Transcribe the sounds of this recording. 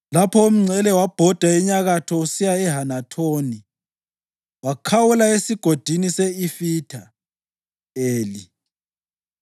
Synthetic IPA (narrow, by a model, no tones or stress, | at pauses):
lapʰɔum̩ŋ͡ǀʱɛlɛwab̥ʱɔd̥ʱaiɲaɣatʰɔusijaɛɦanatʰoːni | wakʰawulaesiɡ̥ʱod̥ʱiniseifiːtʰa | eːli